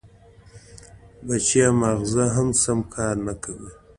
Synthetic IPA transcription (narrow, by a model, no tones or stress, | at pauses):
bat͡ʃjamaɣzaɦamsamkʰɑːɾnakʰawi